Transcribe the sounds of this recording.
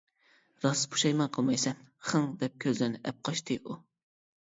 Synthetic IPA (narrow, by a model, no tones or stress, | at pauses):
ɾɑspʰu̥ʃɑjmɑnqʰəlˠmɑjsɛnχəŋd̪ɛp̚kʲʰøzlɪɾnɪʔɛp̚qʰɑʃt̪ʰɨʔu